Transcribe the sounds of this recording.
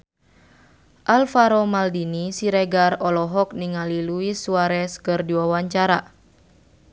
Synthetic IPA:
ʔalfaɾɔmaldinisiɾɛɡarɔlɔɦɔk̚niŋaliluisuaɾɛskɨrdiwawaɲt͡ʃaɾa

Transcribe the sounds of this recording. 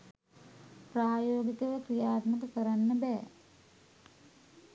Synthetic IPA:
praːjoːɡikəʋəkɾijaːt̪mək̪əkəɾanːəbɛː

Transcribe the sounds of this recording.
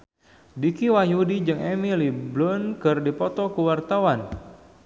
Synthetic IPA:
dikiwajudid͡ʒɨŋemiliblʊnkɨrdipɔt̪ɔkuwart̪awan

